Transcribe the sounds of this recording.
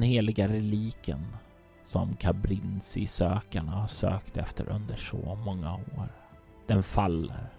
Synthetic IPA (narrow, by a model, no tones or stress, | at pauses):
nheːlɪɡaɾɛliːkə̰n | sɔmkʰabɾɪnsɪsøːkaɳahaʂøːkt̪ɛ̰ft̪əɾʔɵnd̪əʂɔmɔŋːaoːɾ | d̪̥ɛnfalːəɾ